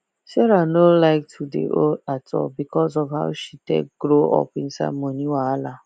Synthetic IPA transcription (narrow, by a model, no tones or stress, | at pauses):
sɛɾanolaɪk̚tʰudḛʔo̰atʰɔ̰bikɔzɔvɦaʊʃitḛɡɾoɔ̰pɪn̩sa̰moniwaala